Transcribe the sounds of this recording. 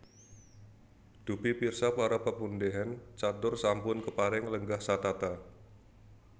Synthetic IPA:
d̥upipirsapaɾapəpundeɦant͡ʃat̪ʊrsampʊnkəpaɾɪŋləŋɡahsat̪at̪a

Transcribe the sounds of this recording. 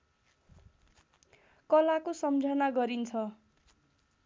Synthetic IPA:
kʌlakosʌmd͡zʱʌnaɡʌɾint͡sʰʌ

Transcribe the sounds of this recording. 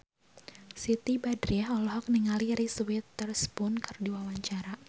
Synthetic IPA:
sit̪ibadɾiahɔlɔhɔk̚niŋaliɾiswit̪ːərspunkɨrdiwawaɲt͡ʃaɾa

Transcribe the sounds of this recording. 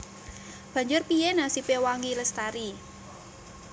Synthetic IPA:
b̥a̤ɲd͡ʒʊrpijɛnasipewaŋɡiləst̪aɾi

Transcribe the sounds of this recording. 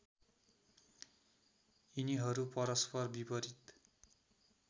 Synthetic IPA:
iniɦʌɾupʌɾʌspʌrbibʌɾit̪

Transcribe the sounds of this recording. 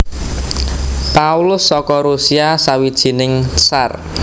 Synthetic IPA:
paulʊsːɔkɔɾusiasawid̥ʒ̥i̤nɪŋsar

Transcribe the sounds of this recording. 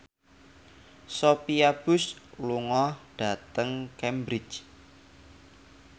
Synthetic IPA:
sopiab̥ʊsluŋɔhɖ̥a̤t̪əŋkɛmbɾɪt͡ʃ

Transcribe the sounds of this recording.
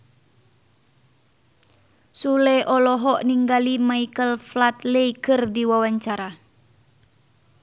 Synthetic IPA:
sulɛʔɔlɔɦɔʔniŋɡalimaikəlflat̪leikɨrdiwawaɲt͡ʃaɾa

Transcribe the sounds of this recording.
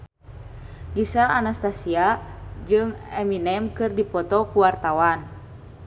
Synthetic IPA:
ɡisaʔanast̪asiad͡ʒɨŋɛminɛmkɨrdipɔt̪ɔkuwart̪awan

